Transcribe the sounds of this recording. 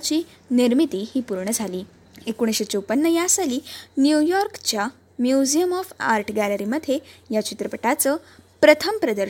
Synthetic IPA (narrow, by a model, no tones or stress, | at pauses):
t͡ɕiː | niɾmit̪iːhiːpuɾɳəd͡zʱaliː | ekuɽ̃ɕet͡ɕoupənːəjasaliːnjujɔɾkt͡ɕja | mjud͡ʑijəmɔfa̰ɾʈʰɡæləɾiːməd̪ʱːejat͡ɕit̪ɾəpəʈat͡səpɾət̪ʰəmpɾəd̪əɾ